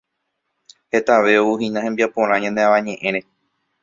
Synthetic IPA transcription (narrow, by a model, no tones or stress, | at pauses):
he̞t̪aʋe̞ouhĩnãhẽmbiapõ̞ɾ̃ãɲãnd̪e̞ãʋãɲẽ̞ʔẽ̞ɾ̃ẽ̞